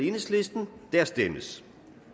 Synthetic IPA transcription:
enəsle̝sd̥n̩d̥æɐ̰sd̥eməs

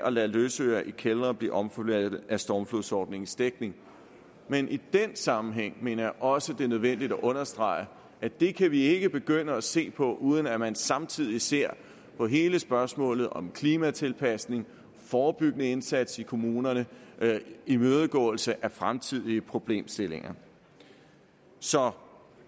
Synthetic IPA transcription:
ʔɒ̽læløːsøɐʔikʰelʁɐb̥lḭːʔɒ̽mflædð̩ˠæsd̥ɒːmfluðˠsɒ̰ːd̥ne̝ŋn̩sd̥eɡ̥̚ne̝ŋ | menʔid̥ensɑ̈mm̩ɦeŋ̰me̝̰ːnɐjɑ̈ɪʔɒ̽səd̥e̝nøð̞ˠʋen̰d̥id̥æʔɔ̽nɐsd̥ʁɑ̈ɪ̰ə | ʔæd̥e̝kʰæʋie̝ɡ̥əb̥e̝ɡ̥øn̰əæse̝̰ːpʰɒ̽ʔuːð̞ˠən̩æmænsɑ̈mt͡sʰið̞̰ˠise̝ɐ̰ | pʰɒ̽ɦe̝ːləsb̥ɶɐsmɔ̰̽ːlð̞̩ˠɒ̽mkʰliːmæt͡sʰe̝lpʰæsne̝ŋ | fɒːb̥yɡ̥ənəe̝nsæd̥sikʰo̝muːnɐnə | imøːð̞ˠəɡ̥ɔ̰̽ːl̩səʔæfʁamt͡sʰið̰ˠiəpʰʁo̝b̥le̝̰ːmsd̥e̝le̝ŋɐ | sɒ̽

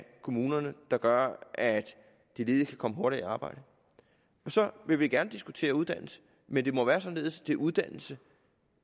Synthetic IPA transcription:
kʰo̝muːnɐnəd̥ɑ̈ɡ̥ɶɐʔæd̥ | d̥ele̝ːðˠkʰækʰɒ̽məɦoɐɾ̥iiɑ̈ːb̥ɑ̈ɪ̰d̥ə | ɒ̽sɒ̽ʋe̝ʋiɡ̥æɐnəd̥isɡ̥ut͡sʰe̝̰ːɐuð̞̥ˠæn̰l̩sə̥ | mend̥e̝mɒʋæːɐsɒ̽nle̝ːð̞ˠsd̥e̝ʔuðˠd̥æn̰l̩sə

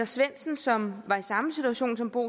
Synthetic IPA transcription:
ɐsʋen̰sn̩sɒ̽mʋɑ̈isɑ̈məsit͡sʰuæɕo̝̰ːnsɒ̽mb̥o̝̰ː

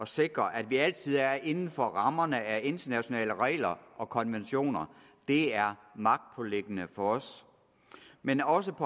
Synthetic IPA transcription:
ɒ̽se̝ɡ̥ʁɐʔæd̥ʋiæl̰t͡sʰið̞̰ˠæɐʔe̝nn̩fɒ̽ʁɑ̈mɐnəæe̝nd̥ɐnæɕo̝nɛ̰ːləʁɛ̰ːlɐʔɒ̽kʰɒ̽nʋenɕo̝̰ːnɐ | d̥e̝æɐmɑ̈ɡ̥̚d̥̚pʰɒ̽leɡ̥ənəfɒɒs | menɒ̽s̬əpʰɒ

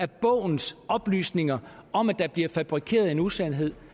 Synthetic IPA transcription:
æɐb̥ɔ̰̽ʊ̰n̩sɒ̽b̥ly̰ːsne̝ŋɐɒ̽mæd̥ɑ̈b̥liɐfæb̥ʁikʰe̝̰ːɐðˠe̝nusænɦe̝ð̞̰ˠ

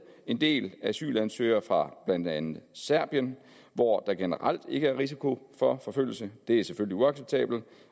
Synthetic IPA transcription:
e̝nd̥e̝̰ːlææsy̰ːlænsøɪɐfʁɑ̈b̥lænd̥ænð̩ˠsæɐ̰b̥jən | ʋɒd̥ɑ̈ɡ̥e̝nəʁal̰d̥e̝ɡ̥əæɐʁis̬ikʰo̝fɒ̽fɒ̽føl̰l̩səd̥e̝æsefølliuɑ̈ɡ̥seb̥̚t͡sʰɛ̰ːb̥l̩

